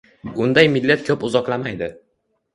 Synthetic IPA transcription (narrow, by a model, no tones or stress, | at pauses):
ʊnd̪ajmɪlːet̪̚kʰɵpʊzɒqlamajd̪ɪ